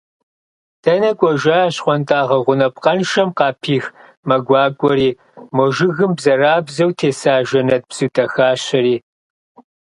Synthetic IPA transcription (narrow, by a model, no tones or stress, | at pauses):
d̥ʰɐnɐkʷʼɔʒʷɐːɕχʷɔntʼaːʁɐʁʷʊnɐpqʼɐnʃɐmqɑːpʰiːx | mɐɡʷɑːkʷʼɔɾiː | mɔʒɪɣɨmbzɐraːbzɐwtʰeːsaːʒɐnɐt̚bz̥utʼɐxaːɕɐɾiː